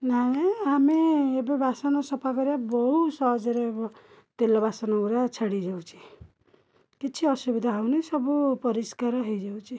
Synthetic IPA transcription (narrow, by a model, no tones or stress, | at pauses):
naeamiːbebasɔnɔsɔpʰakɔɾabɔɦusɔɦɔd͡ʒɔɾebɔ | t̪elɔbasɔnɔkuɾat͡ʃʰaɽid͡ʒawt͡ʃʰi̥ | kit͡ʃʰiɔsubid̪ʱaɦawnisɔbupɔɾiskaɾɔɦejd͡ʒawt͡ʃʰi